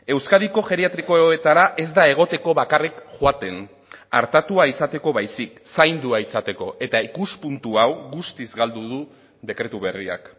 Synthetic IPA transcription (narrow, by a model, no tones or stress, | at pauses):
e̞wskaðiko̞ʝe̞ɾiat̪ɾiko̞eoet̪aɾaʔe̞zd̪ae̞ɣ̞o̞t̪e̞ko̞βakarikʝwat̪e̞n | a̰ɾt̪at̪uaisat̪e̞ko̞βajsiksajnd̪uaisat̪e̞ko̞ʔe̞t̪aikuspunt̪uawɣust̪izɡald̪uðu | ðe̞kɾe̞t̪uβe̞ria̰k